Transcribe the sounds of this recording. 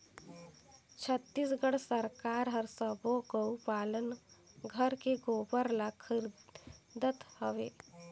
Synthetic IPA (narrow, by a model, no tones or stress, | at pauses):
t͡ʃʰət̪ːisɡəɽsəɾkaːɾɦəɾsəboɡəwpaːlənɡʱəɾkeɡoːbəɾlakʰɪɾd̪ət̪həʋeː